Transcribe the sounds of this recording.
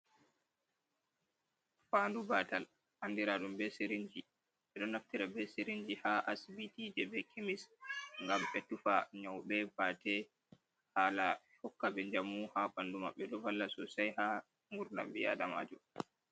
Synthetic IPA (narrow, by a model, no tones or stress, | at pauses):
fandubatal | handiɾaɗumbɛsiɾiɲd͡ʒi | ɓɛɗɔnaftiɾabɛsiɾiɲd͡ʒihaʔasibitid͡ʒɛbɛkʰemisŋɡamɓɛtufaɲɔwɓɛbatɛ | haːlahɔkːaɓɛd͡ʒamːuhaɓanduma̰ɓːɛɗɔvalːasɔsajha | ŋɡuɾna̰mbija̰dama̰ːd͡ʒɔ